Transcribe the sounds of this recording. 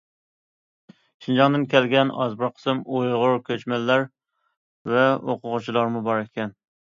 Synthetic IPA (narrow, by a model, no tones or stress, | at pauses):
ʃind͡ʒɑŋd̪ɨnkʲʰælɡʲɛnɑ̰zbɨɾqʰə̥sɨmojʁʊɾkʲʰøt͡ʃmælːæɾ | vɛoqʊʁʊt͡ʃʰilˠɑɾmʊbɑɾkʲʰɛn